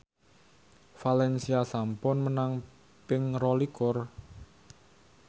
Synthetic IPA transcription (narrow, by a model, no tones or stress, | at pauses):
falɛnsiasampʊnmənaŋ | pɪŋrɔlikʊr